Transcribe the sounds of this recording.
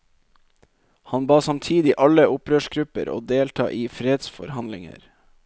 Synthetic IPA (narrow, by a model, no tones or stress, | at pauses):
hɑnbɑːsɑmt̪ʰiːd̪ɪʔɑləʊpɾøːʃɡɾʉpə̰ɾo̰ːd̪eːlt̪ʰɑ̰ːʔiːfɾeːd̪sfɔ̰ɾhɑnd̪lɪŋə̰ɾ